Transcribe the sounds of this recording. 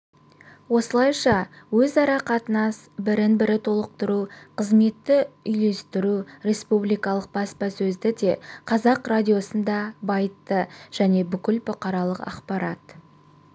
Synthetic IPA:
wo̞səlˠɑjʃɑ | wɵzɑɾɑqɑt̪ənɑsbɪɾɪnbɪɾɪt̪ʰo̞lˠəq̚t̪əɾuqʰəzme̞t̪ːɪʏjle̞st̪ɪɾuɾe̞spublijkɑlˠəq̚bɑspɑsɵzd̪ɪd̪e̞qʰɑzɑqradʲijo̞sənd̪ɑbɑjət̪ːəʒ̥æne̞bʏkʲɪlbʊqɑɾɑlˠəqɑ̰qpɑɾɑt̪

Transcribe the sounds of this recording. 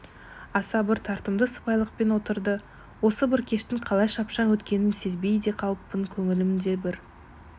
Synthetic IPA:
ɑsɑbɪɾt̪ʰɑɾt̪əmd̪əsə̥pɑjlˠəq̚pe̞nwo̞t̪əɾd̪ə | wo̞səbɪɾkʲʰe̞ʃt̪ɪŋqʰɑlˠɑjʃɑpʃɑnwɵt̪kʲe̞nɪnse̞zbe̞jd̪e̞qʰɑlˠəpːəŋkʲʰɵŋɪlɪmd̪e̞bɪɾ

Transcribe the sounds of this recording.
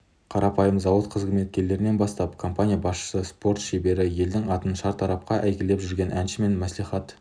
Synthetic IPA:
qʰɑɾɑpɑjəmzɑwət̪qʰəzɡʲɪmet̪̚kʲe̞le̞ɾɪne̞nbɑst̪ɑpkʰo̞mpanʲijɑbɑsʃə̥səspo̞ɾt̪ʃebe̞ɾɪje̞ld̪ɪŋɑt̪ənʃɑɾt̪ʰɑɾɑp̚qɑʔæjkʲele̞pʒʏɾɡʲe̞nʔænʃɪme̞nmæsliχɑt̪

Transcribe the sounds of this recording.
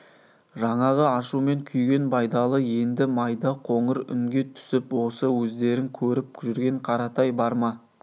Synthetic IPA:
ʒɑɴɑʁəɑʃume̞ŋkʲʰʏjɡʲe̞nbɑjd̪ɑlˠəje̞nd̪ɪmɑjd̪ɑqʰo̞ɴəɾʏ̰ŋɡʲe̞t̪ʰʏ̥sɪpwo̞səwɵzd̪e̞ɾɪŋkʲʰɵɾɪp̚ʒʏɾɡʲe̞ɴqʰɑɾɑt̪ɑjbɑɾmɑ

